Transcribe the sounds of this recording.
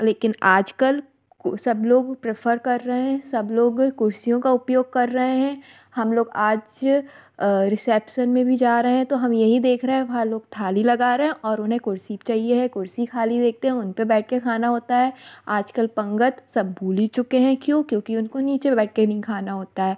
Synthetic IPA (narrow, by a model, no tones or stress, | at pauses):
leːkɪnaːd͡ʒkəl | sɐbloːɡpɾefʰəɾkɐɾːɐɦeɦɛ̃sɐbloːɡkʊɾsijõkaʊpjoːɡ̚kɐɾːɐɦẽɦɛ̃ | hɐmloːɡaːd͡ʒ | ɾɪsɛpʃənmẽbʱid͡ʒaːɾɐɦeɛ̃t̪oɦɐmjɐɦid̪eːkʰɾɐɦeɛ̃ʋɐɦãloːɡ̚t̪ʰaːlilɐɡaːɾeɦɛ̃ʔɔːɾʊnɦẽkʊɾsit͡ʃaːɦieɦɛ̃kʊɾsikʰaːlid̪eːk̚ʰt̪eɦɛ̃ʊnpebɛːʈ̚ʰkekʰaːnaɦoːt̪aɦɛːaːd͡ʒkəlpɐ̃ŋɡət̪sɐb̚ːuːlit͡ʃʊkeɦɛ̃kjõːkjõːkiʊnkoniːt͡ʃebɛːʈ̚ʰkenɐɦĩkʰaːnaɦoːt̪aɦɛː